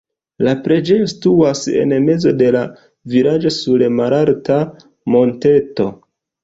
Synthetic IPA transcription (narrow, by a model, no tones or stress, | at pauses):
lapɾe̞d͡ʒe̞josi̥tuase̞̰nme̞zo̞de̞la | viɾad͡ʒo̞sulemaɾalta | mo̞nte̞to̞